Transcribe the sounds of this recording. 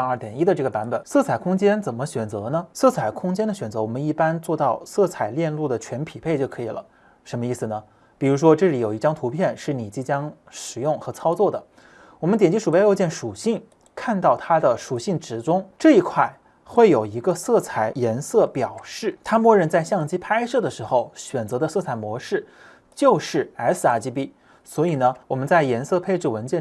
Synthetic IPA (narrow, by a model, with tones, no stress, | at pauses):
ə˞˥˩t̪jɛ˨˩ni˥d̪ə˨˧ʈ͡ʂɤ˥˩ɡə˩pa˧˥npə˨˩˦nsɤ˥˩t͡sʰa˨˩ɪkʰʊ˥ŋt͡ɕjɛ˥nt͡sə˨˩nmə˦ɕɥɛ˨˩nt͡sɤ˧˥nə˧sɤ˥˩t͡sʰa˨˩ɪkʰʊ˥ŋt͡ɕjɛ˥nd̪ə˨ɕɥɛ˨˩nt͡sɤ˧˥wɔ˨˩mə˦ni˥˩pa˥nt͡swɔ˥˧t̪ɑ˥˧ʊsɤ˥˩t͡sʰa˨˩ɪljɛ˥˧nlu˥˩d̪ə˩t͡ɕʰɥɛ˧˥npʰi˨˩pʰe˥˧ɪt͡ɕjo˥˩ʊkʰɤ˧˥i˨˩lə̰˦ | ʂə˧˥nmə˧i˥˩sɹ̩˩nə˩ | pi˨˩ɻu˧˥ʂwɔ˥ʈ͡ʂɤ˥˩li˧˥jo˨˩ʊi˥ʈ͡ʂɑ˥ŋt̪ʰu˧˥pʰjɛ˥˧nʂɻ̩˥˩ni˨˩t͡ɕi˥˩t͡ɕjɑ˥ŋ | ʂɻ̩˨˩jʊ˥˩ŋxɤ˧˥t͡sʰɑ˥ʊt͡swɔ˥˩d̪ə˩ | wɔ˨˩mə˦nt̪jɛ˨˩nt͡ɕi˥ʂu˨˩pjo˧˥t͡ɕjɛ˥˩nʂu˨˩ɕi˥˩ŋ | kʰa˥˧nt̪ɑ˥˩ʊt̪ʰa˥d̪ə˨ʂu˨˩ɕi˥˩ŋʈ͡ʂɻ̩˧˥ʈ͡ʂʊ˥ŋʈ͡ʂɤ˥˩i˧˥kʰwa˥˩ɪ | xwe˥˩ɪjo˨˩ʊi˧˥ɡə˧sɤ˥˩t͡sʰa˨˥˩ɪjɛ˧˥nsɤ˥˩pjɑ˨˩ʊʂɻ̩˥˩t̪ʰa˥mwɔ˥˧ɻə˥˧nt͡sa˥˧ɪɕjɑ˥˩ŋt͡ɕi˥pʰa˥ɪʂɤ˥˩d̪ə˩ʂɻ̩˧˥xo˥˧ʊɕɥɛ˨˩nt͡sɤ˧˥d̪ə˧sɤ˥˩t͡sʰa˨˩ɪmwɔ˧˥ʂɻ̩˥˩ | t͡ɕjo˥˧ʊʂɻ̩˥˩a˧˥sɹ̩˥˩a˥˩t͡ɕi˧˥pi˥˩ | swɔ˧˥i˨˩nə˦wɔ˨˩mə˦nt͡sa˥˩ɪjɛ˧˥nsɤ˥˧pʰe˥ɪʈ͡ʂ̩˥˩wə˧˥nt͡ɕjɛ˥˩